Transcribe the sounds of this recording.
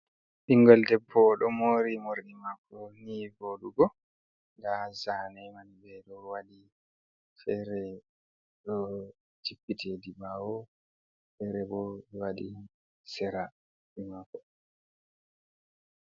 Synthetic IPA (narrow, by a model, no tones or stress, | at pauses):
ɓiŋɡɔldɛpʰːɔɗɔmoːɾimoɾɗimakːɔnivoɗuɡɔ | ɡazanɛmanibɛɗɔwaɗi | fɛɾɛ | ɗɔ | t͡ʃipːitʰedibawɔ | fɛɾɛbɔɛwaɗi | sɛɾa | ɓimakːɔ̥